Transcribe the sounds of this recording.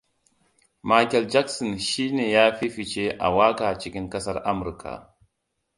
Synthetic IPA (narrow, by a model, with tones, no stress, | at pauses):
ma˦jkɛ˨ld͡ʒa˦ksɔ˨nʃi˦neː˨jaː˦ɸi˦ɸi˨t͡ʃe˦ʔa̰˨waː˦kaː˨t͡ʃi˦kʲɪ˦ŋkɐ˦sɐ˦ɾʔa˦mʊ˨ɾkʰa̰˨